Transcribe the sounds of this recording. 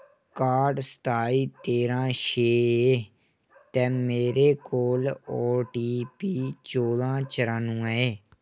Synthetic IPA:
kaːɾɖsə̥t̪ʰaːiːt̪eːɾãːʃeːeː | t̪ɛːmeːɾeːkoːloːʈiːpiːt͡ʃoːd̪ãːt͡ʃəɾãːnũːɛeː

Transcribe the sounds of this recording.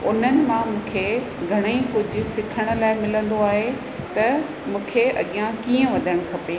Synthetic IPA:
ʊ̰n̤ənɪ̆mãmũːkʰe | ɡʱɐɽ̃eikʊd͡ʑʱʊ̆sɪkʰəɽ̃ʊ̆laːɪmɪlə̃nd̪oaːɦe | t̪ɐ | mũːkʰeɐ̰ɠijãkiːə̃ʋɐd̪ʱəɽ̃ʊ̆kʰɐpeː

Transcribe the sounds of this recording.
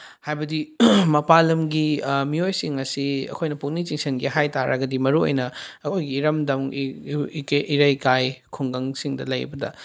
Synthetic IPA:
hajbɐdimɐpalɐmɡimiojsiŋɐsiɐ̰kʰojnɐpuk̚nit͡ʃiŋsɐnɡiɦajtaɾɐ̰ɡɐdimɐɾuo̰jnɐɐkʰojɡiːɾɐmdɐm | keʔiɾɐjkajkʰuŋɡɐŋsiŋdɐ̰lɐ̰jbɐdɐ̰

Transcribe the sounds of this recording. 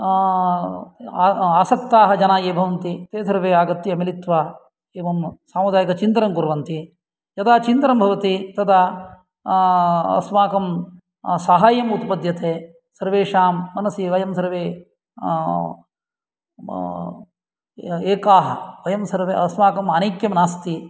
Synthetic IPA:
aːsɐk̚t̪aːɦɐd͡ʒɐnaːjeːbʱɐʋɐnt̪it̪eːd̪ʰʱɐɾʋeːaːɡɐt̪ːiɐmilit̪ʋaː | eːʋɐmsaːmɐd̪aːjɐkɐt͡ʃint̪ɾɐmkuɾʋɐnt̪i | jɐt̪aːt͡ʃint̪ɾɐmbʱɐʋɐt̪it̪ɐt̪ɐ | ɐ̰smaːkɐm | saɦaːjɐmut̪pɐd̪ʱjɐt̪eː | sɐɾʋeːʃaːmːɐnɐsiʋɐjɐmsɐɾʋeː | eːkaːɦɐ̰ʋɐjɐmsɐɾʋeːɐsmaːkɐmɐnɐjkjɐmnaːst̪i

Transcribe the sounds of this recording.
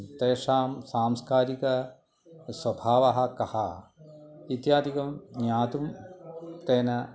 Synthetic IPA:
t̪eːʂaːmsaːmskaːɾikɐ | swɐbʱaːʋɐɦɐ̆kɐhɐ | it̪jaːd̪ikɐmnjaːt̪um | t̪eːnɐ

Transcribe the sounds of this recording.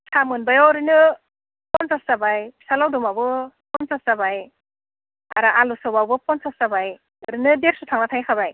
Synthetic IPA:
samɯnbajawɾɯnɯ | pɔnsassabajsalawdumabɯpɔnsasabaj | aɾaʔalusɯwbawbɯpɔnsassabaj | ɯɾinɯdeɾsutʰaŋnatʰajkʰabaj

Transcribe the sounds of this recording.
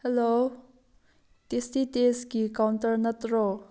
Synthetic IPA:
hɛlo | t̪est̪it̪eskikawnt̪əɹnət̪ro

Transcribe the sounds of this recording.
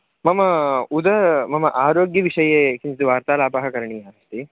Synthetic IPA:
mɐmɐud̪ɐmɐmɐʔaːɾoːɡjɐʋiʂɐjeːkiɲt̪uʋaːɾt̪aːlaːpɐɦɐkɐɾɐɳiːaːst̪i

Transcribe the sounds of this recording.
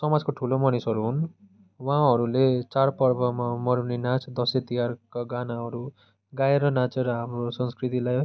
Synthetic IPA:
sʌmad͡zkoʈʰulomʌnisʌɾuɦun | wãɦʌɾulet͡sarpʌrbʌmamʌɾunenat͡sd̪ʌset̪ijarkaɡanaɦʌɾu | ɡaeɾʌnat͡seɾʌɦamrosʌnskrit̪ilaj

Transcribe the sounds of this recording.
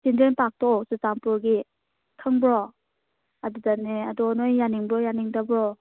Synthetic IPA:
sindɾenpak̚tɔsɯtaŋpɯɾɡi | tʰɯŋbɾɔ | adudaneadɔnɔjːaniŋbɾɔjaniŋdabɾɔ

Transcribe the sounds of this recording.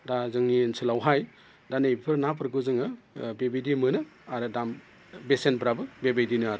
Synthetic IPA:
dazɯŋninsʰɯlawɦaj | danɯjpʰɯɾnapʰɯɾɡɯzɯŋɯbebejdimɯnɯaɾɯdam | besenbɾabɯbebejdinɯaɾ

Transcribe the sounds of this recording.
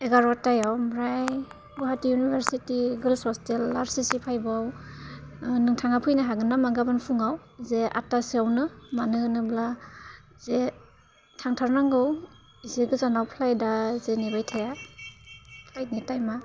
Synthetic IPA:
eɡaɾɔtajawmɾaj | bɔɦatijunibʱeɾsitiɡɯlsɔstelːaɾsisipʰajbaw | nɯŋtʰaŋapʰɯjnaɦaɡɯnamaɡabɯnpʰuŋawzeʔa̰tasiawnɯmanɯnɯbla | ze | tʰaŋtʰaɾnaŋɡɯw | iziɡɯzanawpʰlajdazenibajtʰaja | pʰlajtnitajma

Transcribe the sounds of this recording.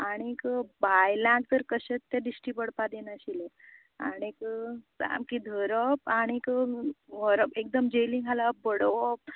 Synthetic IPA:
aɽ̃ikəbajlãk̚t̪əɾkəɕet͡st̪aɖisʈipəɽpad̪enaɕile | aɽ̃ikə | a̰mkid̪ʱəɾəpaɽ̃ikəʋəɾəpek̚d̪əmd͡ʑelĩŋɡalabəɽʋɔp̚

